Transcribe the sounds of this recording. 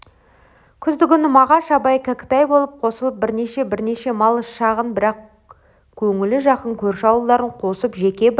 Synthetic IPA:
kʲʰʏzd̪ɪɡʲɪnɪmɑʁɑʃɑbɑjkʲʰakʲɪ̥t̪ɑjbo̞lˠəp̚qʰo̞səlˠəp̚bɪɾne̞ʃe̞bɪɾne̞ʃe̞mɑlˠəsʃɑʁənbɪɾɑq | kʲʰɵŋɪlɪʒɑqəŋkʲʰɵɾʃɑwəlˠd̪ɑɾəɴqʰo̞səpʒe̞kʲe̞b

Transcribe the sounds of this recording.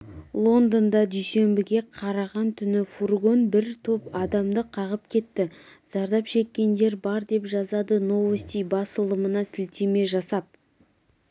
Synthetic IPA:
lˠo̞nd̪o̞nd̪ɑd̪ʏjse̞mbɪɡʲe̞qʰɑɾɑʁɑnt̪ʰʏnɪfuɾɡo̞nbɪɾt̪ʰo̞pɑd̪ɑmd̪əqʰɑʁəp̚kʲʰe̞t̪ːɪ | z̥ɑɾd̪ɑpʃe̞kʲːe̞nd̪e̞ɾbɑɾd̪e̞pʒɑzɑd̪əno̞osʲt̪ʲijbɑsəlˠəmənɑsɪlt̪eme̞ʒɑsɑp̚

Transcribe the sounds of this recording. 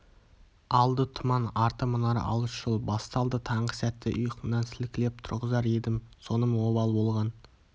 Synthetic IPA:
ɑlˠd̪ət̪ʰʊmɑnɑɾt̪əmʊnɑɾ̰ʔɑ̰lˠəʃʒ̥əlˠbɑst̪ɑlˠd̪ət̪ʰɑɴʁəsæt̪ːɪʔʊ̰jqəmənɑnsɪlkʲɪle̞p̚t̪ʰʊɾʁəzɑɾed̪ɪmso̞nəmwo̞βɑlˠbo̞lˠʁɑn

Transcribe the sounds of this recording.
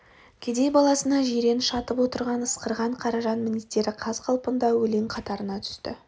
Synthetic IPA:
kʲʰed̪e̞jbɑlˠɑsənɑʒiɾe̞nʃɑt̪əpwo̞t̪əɾʁɑnəsqəɾʁɑɴqʰɑɾɑʒɑnmɪnist̪e̞ɾɪqʰɑzqʰɑlˠpənd̪ɑwɵle̞ŋqʰɑt̪ɑɾənɑt̪ʰʏ̥st̪ɪ̰

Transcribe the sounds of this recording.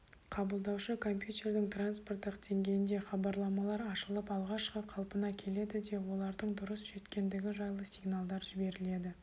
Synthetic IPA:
qʰɑbəlˠd̪ɑwʃəkʰo̞mpjut̪ʰʲe̞rd̪ɪŋt̪ranspo̞rt̪ːəqd̪e̞ŋɡʲe̞jɪnd̪e̞χɑbɑɾlˠɑmɑlˠɑɾɑʃəlˠəpɑlˠʁɑʃqəqʰɑlˠpənɑkʲʰe̞le̞d̪ɪd̪e̞wo̞lˠɑɾd̪əɴd̪ʊɾəsʒ̥e̞t̪kʲe̞nd̪ɪɡʲɪʒɑjlˠəsʲiɡnalˠd̪ɑɾʒɪbe̞ɾɪle̞d̪ɪ

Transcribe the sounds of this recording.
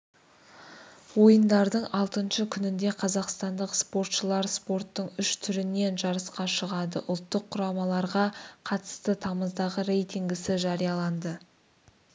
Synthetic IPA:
wo̞jənd̪ɑɾd̪əɴɑlˠt̪ənʃəkʲʰʏnɪnd̪e̞qʰɑzɑqst̪ɑnd̪əqspo̞ɾt̪ʃəlˠɑɾspo̞rt̪ːəɴʏʃt̪ʰʏɾɪne̞nʒɑɾəsqɑʃəʁɑd̪ə̰ʔʊ̰lˠt̪ːəqʰːʊɾɑmɑlˠɑɾʁɑqʰɑt̪ə̥st̪ət̪ʰɑməzd̪ɑʁəɾe̞jt̪iŋɡʲɪsɪʒɑɾijɑlˠɑnd̪ə

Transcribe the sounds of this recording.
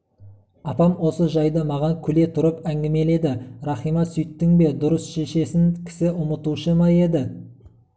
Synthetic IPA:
ɑpɑmwo̞səʒɑjd̪əmɑʁɑŋkʲʰʏle̞t̪ʰʊɾəpæŋɡʲɪme̞le̞d̪ɪɾɑχijmɑsʏjt̪ːɪŋbe̞d̪ʊɾəsʃe̞ʃe̞sɪŋkʲʰɪ̥sɪʔʊmət̪uʃəmɑje̞d̪ɪ

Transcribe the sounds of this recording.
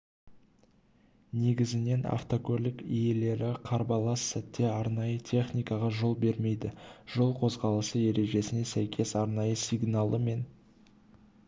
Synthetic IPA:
ne̞ɡʲɪzɪne̞na̰ft̪o̞kʲorlɪkije̞le̞ɾɪqʰɑɾbɑlˠɑsːæt̪ːe̞ɑɾnɑjət̪ʰe̞χnʲijkɑʁɑʒo̞lˠbe̞ɾme̞jd̪ɪʒ̥olˠqʰo̞zʁɑlˠəsəje̞ɾe̞ʒe̞sɪne̞sæjkʲʰe̞sɑɾnɑjəsʲiɡnalˠəme̞n

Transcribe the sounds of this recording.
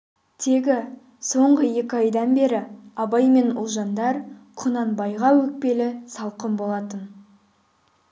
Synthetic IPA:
t̪ʰeɡʲɪ | so̞ɴʁəje̞kʲɪɑjd̪ɑnbe̞ɾɪɑbɑjme̞nʊlˠʒɑnd̪ɑɾqʰʊnɑnbɑjʁɑwɵk̚pe̞lɪsɑlˠqəmbo̞lˠɑt̪ən

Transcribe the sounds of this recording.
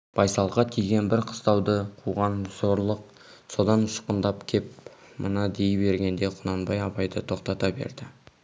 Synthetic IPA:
b̥ɑjsɑlˠʁɑt̪ʰijɡʲe̞nbɪɾqʰə̥st̪ɑwd̪əqʰuʁɑnz̥o̞ɾlˠəq̚ | so̞d̪ɑnʃqənd̪ɑpkʲʰe̞p̚mʔə̰nɑd̪ejbe̞ɾɡʲe̞nd̪e̞qʰʊnɑnbɑjɑbɑjd̪ət̪ʰo̞qt̪ɑt̪ɑbe̞̰ɾd̪ɪ

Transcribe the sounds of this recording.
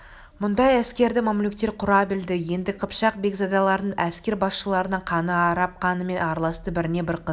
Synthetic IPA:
mʊnd̪ɑjæskʲe̞ɾd̪ɪmæmlek̚t̪e̞ɾqʰʊɾɑbɪld̪ɪje̞nd̪ɪqʰəpʃɑq̚be̞ɡzɑd̪ɑlˠɑɾd̪əæskʲe̞ɾbɑsʃəlˠɑɾənəɴqʰɑnəːɾɑp̚qɑnəme̞nɑɾɑlˠɑst̪əbɪɾɪne̞bɪɾqʰəz

